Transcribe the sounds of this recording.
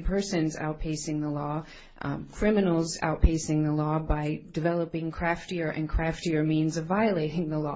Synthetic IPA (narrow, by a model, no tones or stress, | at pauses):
pʰɜ˞sɨ̃nza̰ʊt̚pʰeɪsɪ̃ŋðəlɔ | kʰɹ̥ɪ̃mɨnl̩ˠza̰ʊt̚pʰeɪsɪ̃ŋðəlɔbaɪdɨvɛlˠəpɪ̃ŋkʰɹ̥æftiə˞ʔɨ̰̃nkʰɹ̥æftiə˞mĩnzʌvaɪɨleɪɾɪ̃ŋðəlɔ̰